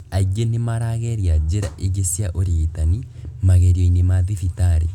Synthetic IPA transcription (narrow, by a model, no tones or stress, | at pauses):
aɡenːimaɾaɣeɾjad͡ʒɪɾaʔeɡisjaʔoɾitanimaɣeɾenimaðifitaɾe